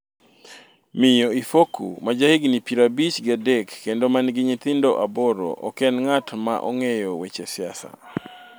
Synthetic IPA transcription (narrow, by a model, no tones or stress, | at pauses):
mɪjoifokʰṵmad͡ʒahiɡnipiɾabit͡ʃɡadɛkːendomanɡɪɲit̪ɪndoʔaboɾo̰ʔɔ̰kɛnŋatma̰ʔɔ̰ŋejɔwet͡ʃesɪasa̰